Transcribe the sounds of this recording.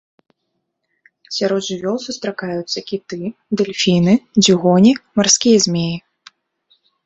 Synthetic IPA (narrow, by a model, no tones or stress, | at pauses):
sʲaɾɔd̪ʐɨvʲɔlˠsust̪ɾakajut̪sːɐkʲit̪ɨd̪ɛlʲfʲinɨd͡zʲiɣɔnʲimarskʲijɐzʲmʲeji